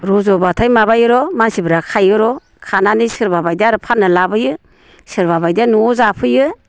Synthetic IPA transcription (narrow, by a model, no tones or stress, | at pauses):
ɾɔzɔbatʰajmabajɯɾɔmansibɯɾakʰajɯɾɔ | kʰananisɯɾbabajdiaɾɯpʰanːɯlabɯjɯ | sɯɾbabajdianuzapʰɯjɯ